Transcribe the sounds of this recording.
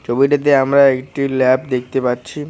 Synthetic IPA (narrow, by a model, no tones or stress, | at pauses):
t͡ɕʰobiʈat̪̬eamɾaekʈilɛpd̪ek̚t̪epaɾt͡ɕʰi